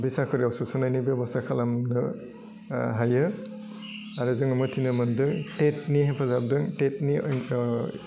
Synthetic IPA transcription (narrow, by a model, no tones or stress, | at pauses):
bisakʰɯɾiawsusɯnajnibjebɔstʰakʰalamnɯ | ɦajɯ | aɾɯzɯŋɯmɯtʰinɯmɯndɯŋtet̚niɦapʰazab̚dɯŋtet̚ni